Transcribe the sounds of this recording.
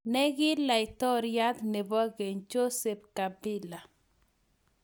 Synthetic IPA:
nɛ˦ɣɪ˦la˨ɪ˨t̪ɔ˦ɾja˦t̪nɪ˨bɔ˦ɡe˨ɲd͡ʒo˦se˨p̚ka˨bɪ˦la˨

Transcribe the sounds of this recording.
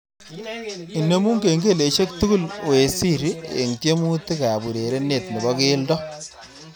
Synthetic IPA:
i˨ne˦mu˦ŋke˨ŋɡe˦le˨ʃe˦k̚tu˦ku˦lwe˨si˦ɾi˦ḛ˨ŋt͡ʃe˦mu˦ti˦ka˨bu˨ɾe˨ɾe˦ne˦˨tni˨bɔ˦ke˦ldɔ˦

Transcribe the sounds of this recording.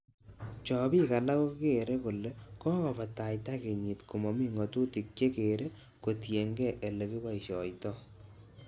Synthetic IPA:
t͡ʃɔ˨bi˦ka˨la˦ko˦ke˨ɾe˦ku˨le˦kɔ˦kɔ˨ba˨ta˨jtake˨ɲi˨tku˨mɔ˨mi˦ŋɔ˨tu˦ti˨k̚t͡ʃe˦ke˨ɾe˦ | ko˨tje˨ŋɡɛ˦ʔe˨le˨ki˦wa˦jʃɔ˨jtɔ˦

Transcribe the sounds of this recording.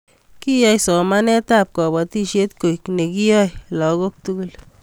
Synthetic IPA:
ki˦ja˦jsɔ˨ma˦nɛ˦t̪ap̚kɔ˨bɔ˨ti˦ʃe˦t̪ko˨jkne˨ki˦jɔjlɔ˨ɡok̚tuɡul

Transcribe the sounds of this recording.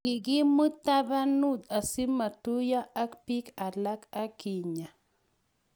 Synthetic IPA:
i˨ɡi˦mɨ˦ta˦ba˦nu˦˨ta˨si˦ma˨tu˦ja˦ʔa˦kpi˦ka˨la˦ka˦ki˨ɲa˨

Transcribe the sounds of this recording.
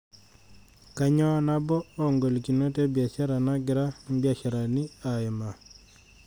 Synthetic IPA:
ka˦ɲɔ˦na˦bɔː˦ŋɡo˨lki˨no˦te˦bja˨t͡ʃa˦ɾa˨na˦ɡɪ˨ɾa˦bja˨t͡ʃa˨ɾa˨nɪ˦a˨ɛ˨ma˨

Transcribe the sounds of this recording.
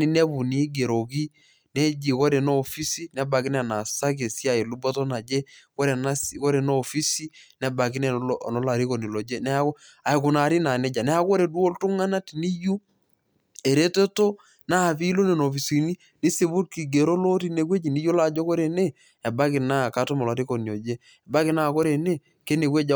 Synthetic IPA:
ni˦ne˦bu˨ni˦ɡe˨ɾo˨ki˦ | nɛ˦d͡ʒi˨ko˦ɾe˨no˦˨fi˦si˦nɛ˦ba˨kɪ˦n˦˨na˨sa˦k̬e˨si˦a˦˨i˨lu˦bɔ˦tɔ˦na˨d͡ʒe˦ko˦ɾe˨na˦sko˦ɾe˨noː˦˨fi˦si˦nɛ˦ba˨kɪ˦nɛ˦˨nɔ˨˦la˨ɾi˦ko˨ni˨lo˨d͡ʒe˦nɛ˦a˦ko˦ | a˨kʊ˨na˨ɾi˦na˨nɛ˦d͡ʒa˨nɛ˦a˦ko˦ɾe˨du˦o˦ltu˦ŋa˦na˦tni˦ju˦ | e˨ɾe˦te˦to˦ | na˦˨pi˦lo˦ne˨no˨fi˨si˨ni˦ | ni˦se˨bu˦t̚ki˨ɡe˨ɾo˦lo˦ti˦ne˨˦k̬we˦d͡ʒi˨ni˦jo˦la˦˨d͡ʒo˦ko˦ɾe˨ne˦ | ɛ˨ba˦kɪ˨na˦˨ka˦to˦ma˨lwa˨ti˦ko˨njo˨d͡ʒe˦ | ɛ˨ba˦kɪ˨˦na˦˨ko˦ɾe˨ne˦ | ke˦ne˨kwe˦d͡ʒa˦

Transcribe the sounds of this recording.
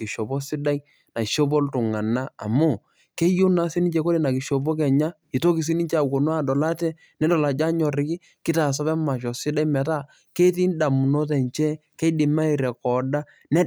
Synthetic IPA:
ki˨ʃo˨bo˦sɪ˦da˦i˦ | na˨ʃo˦bo˦ltʊ˨ŋa˨na˦a̰˨mu˦˨ | ke˦jʊ˦na˦si˦nɪ˦ɲt͡ʃe˦ko˦le˨na˨kɪ˨ʃo˨b̬o˦k̬ɛ˨ɲa˦ | i˨to˦ki˨s̬i˦ni˦t͡ʃa˨wo˨nwa˦dɔ˨la˦tɛ˦ | nɛ˦dɔ˨la˨d͡ʒa˦ɲɔ˨ɾɪ˨ki˦ | kɪ˦ta˨s̬ɔ˦pɛ˦ma˨ʃ̬ɔ˨sɪ˦da˦i˦mɛ˨ta˦ | ke˦ti˦nda˨mu˨no˦tɛ˨ɲt͡ʃɛ˦ke˦dɪ˨ma˦i˨ɾɛ˨kɔ˨da˦ | nɛ˦

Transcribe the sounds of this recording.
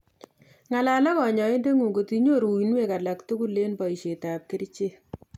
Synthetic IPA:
ŋa˨la˨la˦kɔ˨ɲɔ˨e˦nde˦ŋu˨ko˨ti˦ɲo˦ɾu˨inwe˦˨ka˨la˨ktu˦ku˦lːe˦npɔ˨i˨ʃe˨ta˨p̚kɪ˦ɾt͡ʃe˦

